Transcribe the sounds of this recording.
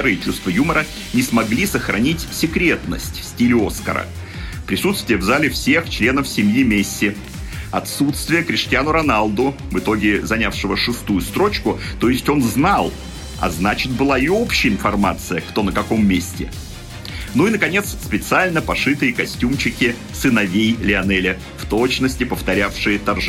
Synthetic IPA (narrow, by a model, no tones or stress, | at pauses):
ɾɨjɪt͡ɕust̪vəjuməɾə | nʲɪsmɐɡlʲisəxɾɐnʲitʲsʲɪkɾʲe̞t̪nə̰sʲtʲfsʲtʲilʲo̞skə̰ɾə̰ | pɾʲɪsut̪st̪vʲɪjəvzalʲɪfsʲe̞xt͡ɕlʲe̞nəfsʲɪmʲjimʲesʲːɪ | ɐ̰t̪sut̪st̪vʲɪjəkɾʲɪʂtʲɪjanʊɾɐnalˠd̪ʊ | vɨt̪o̞ɡʲɪzɐnʲafʂɨvəʂɨst̪ujʊst̪ɾo̞t͡ɕkʊt̪o̞ɪsʲtʲo̞nznalˠ | ɐ̰znat͡ɕɪt̪̚bɨlˠaɪo̞pɕɪjəɪnfɐrma̰t̪sɨjəkt̪o̞nəkɐko̞mːʲesʲtʲɪ | nuinəkɐnʲe̞t̪sspʲɪt̪sɨalʲnəpɐʂɨt̪ɨjəkɐsʲtʲumt͡ɕɪkʲɪ | sɨnɐvʲejlʲɪɐnɛlʲɪ | ft̪o̞t͡ɕnəsʲtʲɪpəft̪ɐɾʲafʂɨjət̪ɐrʐ